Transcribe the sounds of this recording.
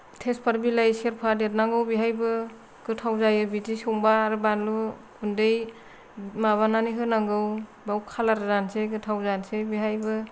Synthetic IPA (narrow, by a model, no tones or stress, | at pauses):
tʰespʰaɾbilajseɾpʰadeɾnaŋɡɯwbiɦajbɯ | ɡ̥ɯtʰawzajɯbidisoŋbaːɾɯbanlukʰundej | maβananiɦɯnaŋɡɯw | bawkʰalaɾɯzanseɡɯtʰawzansebiɦajbɯ